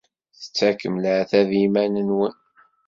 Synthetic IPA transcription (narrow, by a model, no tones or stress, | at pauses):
θə̥t͡sːækːəmləʕθæðimænənwən